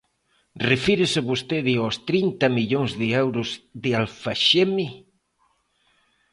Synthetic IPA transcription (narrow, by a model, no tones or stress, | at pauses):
refiɾɪsɪβost̪eðɪost̪ɾint̪ɐmiʎoŋzðɪɛwɾʊzðɪalfaʃemi